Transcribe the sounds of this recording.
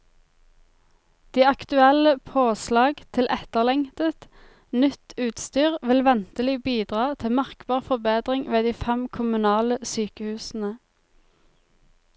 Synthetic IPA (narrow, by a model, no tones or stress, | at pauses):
d̪̥iːɑkt̪ʉɛləpʰoːslɑːɡt̪ʰɪlʔɛt̪əʁlɛŋt̪ət̪ | nʏt̪ʰʉːt̪st̪yːʁʋɪlʋɛnt̪əlɪbiːd̪ʁɑːt̪ʰɪmɑʁkbɑːʁfɔʁbeːd̪ʁɪŋʋeːd̪iːfɛmkʰʊmʉnɑːləsyːkəhʉːsn̩ə